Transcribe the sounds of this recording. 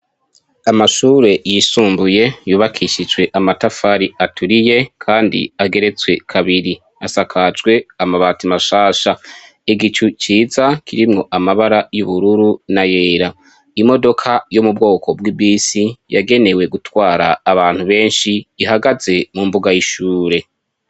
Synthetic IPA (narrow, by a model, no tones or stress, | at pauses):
amaʃuːɾe̞jisuːmbuje̞juːβakʰiʃid͡ʒɡweʔamatafaːɾiatuɾije̞kʰaːndḭaɡe̞ɾe̞t͡swe̞kʰaβiɾi | asakʰad͡ʒɡwe̞amaβatimaʃaːʃa | iɡit͡ʃut͡ʃiːzakʰiɾimŋo̞ʔamaβaɾajuβuɾuɾunaje̞ːɾa | imo̞do̞kʰajomub̚ɡo̞ːkʰo̞bwibiːsijaɡe̞ne̞we̞ɡutwaːɾaːβaːn̥huβe̞ːnʃiːɦaɡaze̞mumbuɡajiʃuːɾe̞